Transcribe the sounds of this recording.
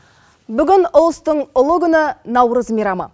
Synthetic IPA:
bʏɡʲɪnʊlˠəst̪əɴʊlˠəɡʲʏnɪnɑwɾəzmiɾɑmɑ̰

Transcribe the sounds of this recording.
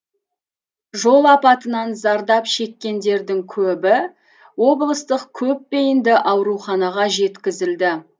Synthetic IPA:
ʒo̞lˠɑpɑt̪ənɑnzɑɾd̪ɑpʃe̞kʲːe̞nd̪e̞ɾd̪ɪŋkʲʰɵbɪ | wo̞blˠəst̪əqkʲʰɵp̚ːe̞jɪnd̪ɪʔɑwɾuχɑnɑʁɑʒe̞t̪kʲɪzɪld̪ɪ

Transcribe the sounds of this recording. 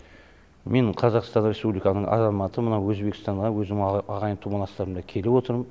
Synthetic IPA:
me̞ɴqʰɑzɑqst̪ɑnɾʲe̞spublʲijkɑnəɴʔɑ̰zɑmɑt̪əmənɑwwɵzbe̞kɪ̥st̪ɑɴʁɑwɵzɪɑʁɑjənt̪ʰumɑnɑst̪ɑɾənd̪ɑkʲʰe̞lewo̞t̪əɾmə

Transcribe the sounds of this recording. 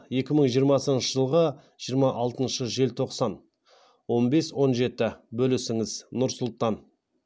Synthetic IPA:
je̞kʲɪməɴʒijəɾmɑsənʃəʒəlˠʁə | ʒijəɾmɑʔɑlˠt̪ənʃəʒe̞lt̪ʰo̞qsɑn | wo̞nbe̞swo̞nʒe̞t̪ɪbɵlɪsɪŋɪznʊɾsʊlˠt̪ɑn

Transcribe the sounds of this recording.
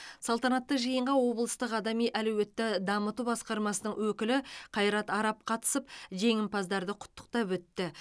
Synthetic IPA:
sɑlˠt̪ɑnɑt̪ːəqʒəjəɴʁɑwo̞blˠəst̪əqɑd̪ɑmijʔælwet̪ːɪd̪ɑmət̪ubɑsqɑɾmɑsənəɴwɵkʲɪlɪqʰɑjɾɑt̪ɑɾɑp̚qʰɑt̪ə̥səp̚ʒe̞ŋɪmpɑzd̪ɑɾd̪əqʰʊ̥t̪ːə̥q̚t̪ɑpwɵt̪ːɪ

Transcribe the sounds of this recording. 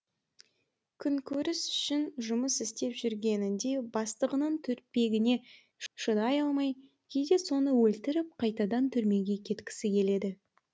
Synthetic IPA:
kʲʰʏŋkʲʰɵɾɪsʏ̥ʃɪnʒʊməsɪst̪e̞pʒʏɾɡʲe̞nɪnd̪e̞bɑst̪əʁənəɴt̪ʰʏɾpe̞ɡʲɪne̞ | ʃənɑjɑlˠmɑj | kʲʰe̞jd̪e̞so̞nəwɵlt̪ɪɾɪp̚qʰɑjt̪ɑd̪ɑnt̪ʰʏɾme̞ɡʲe̞kʲʰe̞t̪kʲɪ̥sɪkʲʰe̞le̞d̪ɪ

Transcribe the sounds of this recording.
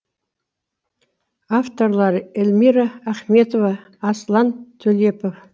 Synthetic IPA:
aft̪o̞rlˠɑɾelʲmiɾaæχme̞t̪ovaː | slˠɑnt̪ʰɵlepof

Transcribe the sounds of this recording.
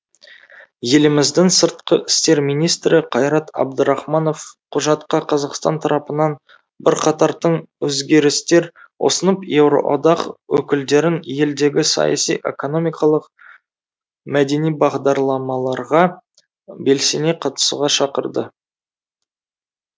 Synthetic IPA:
je̞lɪmɪzd̪ɪŋsəɾt̪̚qəʔɪ̥st̪e̞ɾmijnijst̪ɾɪqʰɑjɾɑt̪ɑ̰b̚d̪əɾɑχmɑno̞fqʰʊʒɑt̪qɑqʰɑzɑqst̪ɑ̰nt̪ʰɑɾɑpənɑn | bɪɾqʰɑt̪ɑɾd̪əɴwɵzɡʲe̞ɾɪst̪e̞ɾ | wo̞̰sənəpje̞wɾo̞̰ʔo̰d̪ɑqwɵkʲɪld̪e̞ɾɪnje̞ld̪e̞ɡʲɪsɑ̰jɑ̰sijʔe̞̰ko̞no̞mʲijkɑlˠəq | mæd̪e̞nijbɑʁd̪ɑɾlˠɑmɑlˠɑɾʁɑ | be̞lseneqʰɑt̪ə̥sṵʁɑʃɑqəɾd̪ə

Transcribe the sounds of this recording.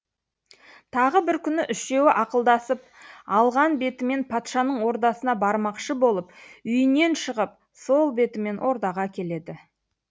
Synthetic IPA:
t̪ʰɑʁəbɪɾkʲʰʏnɪʔʏʃe̞wɪʔɑqəlˠd̪ɑsəp̚ | ɑlˠʁɑnbe̞t̪ɪme̞npʰɑt̪ʃɑnəɴwo̞ɾt̪ɑsənɑbɑɾmɑqʃəbo̞lˠəpʏjɪne̞nʃəʁəp̚ | so̞lˠbe̞t̪ɪme̞nwʔo̞ɾd̪ɑʁɑkʲʰe̞le̞d̪ɪ

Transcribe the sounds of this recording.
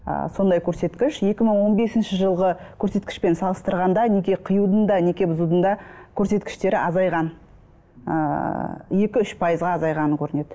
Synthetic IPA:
ə̰so̞nd̪ɑjkʲʰɵɾse̞t̪kʲɪʃje̞kʲɪməɴwo̞nbe̞sɪnʃɪʒəlˠʁəkʲʰɵɾse̞t̪̚kʲɪ̥ʃpe̞nsɑlˠəst̪əɾʁɑnd̪ɑnekʲeqʰəjud̪ənd̪ɑne̞kʲebʊzud̪ənd̪ɑkʲʰɵɾse̞t̪kʲɪ̥ʃt̪e̞ɾɪʔɑzɑjʁɑn | ə̰ | je̞kʲɪʏʃpʰɑjəzʁɑːzɑjʁɑnəŋkʲʰɵɾɪne̞d̪ɪ

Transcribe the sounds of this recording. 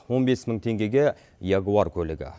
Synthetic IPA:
wo̞nbe̞sməɴt̪ʰe̞ŋɡʲe̞ɡʲe | jɑɡuɑɾkʲʰɵlɪɡʲɪ̰

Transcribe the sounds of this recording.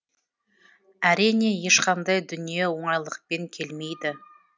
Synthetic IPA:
æɾijne̞je̞ʃqʰɑnd̪ɑjd̪ʏnije̞wo̞ɴɑjlˠəq̚pe̞ŋkʲʰe̞lme̞jd̪ɪ

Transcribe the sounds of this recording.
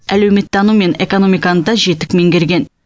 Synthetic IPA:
ælewme̞t̪ːɑnume̞ne̞ko̞no̞mijkɑnd̪ɑʒe̞t̪ɪkme̞ŋɡʲe̞ɾɡʲe̞n

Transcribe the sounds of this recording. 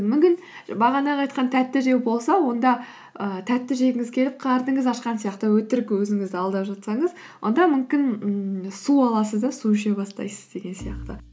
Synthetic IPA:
mʏmkʲɪn | bɑʁɑnɑɑjt̪̚qɑnt̪ʰæt̪ːɪʒe̞kbo̞lˠsɑwo̞nd̪ɑ | ət̪ʰæt̪ːɪʒe̞ɡʲɪŋɪzkʲʰe̞lɪp̚qʰɑɾd̪əɴəzɑʃqɑnsijɑqt̪əwɵt̪ɪɾɪkʲwɵzɪŋɪzd̪ɪɑlˠd̪ɑpʒɑt̪sɑɴəz | wʔo̞̰nd̪ɑmʏmkʲɪnsuɑlˠɑsəzd̪ɑsuʃebɑst̪ɑ̰jsə̥z̥d̪e̞ɡʲe̞nsijɑqt̪ə

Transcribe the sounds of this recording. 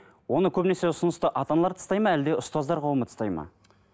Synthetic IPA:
wo̞nəkʲʰɵbɪne̞se̞ʊsʊnəst̪əʔɑt̪ɑnɑlˠɑɾt̪ʰst̪ɑjmɑæld̪e̞ʊst̪ɑzd̪ɑɾqʰɑwəmət̪ʰə̥st̪ɑjmɑ̰

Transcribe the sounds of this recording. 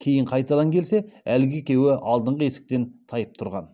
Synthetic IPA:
kʲʰe̞jɪɴqʰɑjt̪ɑd̪ɑŋkʲʰe̞lse̞ælɡʲɪekʲe̞wɪʔɑlˠd̪əɴʁəe̞sɪ̥k̚t̪e̞nt̪ʰɑjəp̚t̪ʰʊɾʁɑn

